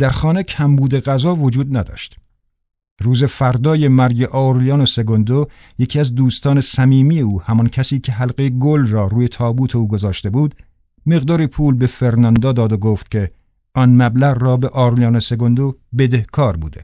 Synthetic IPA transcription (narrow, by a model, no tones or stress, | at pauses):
d̪̥æɾxɒːne̞cʰæmbuːd̪e̞ɣæzɒːvod͡ʒuːd̪næd̪ɒ̰ːʃt̪ | ruːze̞fæɾd̪ɒːje̞mæɾɟeʔɒːɾlijɒːnose̞ɡond̪o | je̞cʰiːæzd̪uːst̪ɒːne̞sæmiːmijeuːhæmɒncʰæsiːcʰe̞ɦælɢejeɡolrɒːɾuːje̞t̪ʰɒːbuːt̪ʰe̞uːɡo̞zɒːʃt̪e̞buːd̪ | me̞ɣd̪ɒːɾiːpʰuːlbe̞feɾnɒnd̪ɒːd̪ɒːd̪oɡoːft̪cʲʰe̞ | ʔɒnmæblæʁrɒːbe̞ʔɒːɾlijɒːnose̞ɡond̪obe̞d̪e̞hkʰɒːɾbṵːd̪ḛ